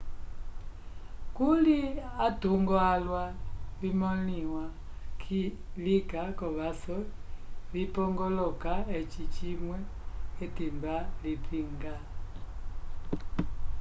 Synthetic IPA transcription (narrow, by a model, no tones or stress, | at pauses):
kuliatuŋɡɔalwaβimɔliwa | kʰi | likakɔβasɔβipɔŋɡɔlɔkaɛt͡ʃit͡ʃimwɛ | ɛtimbalipiŋɡa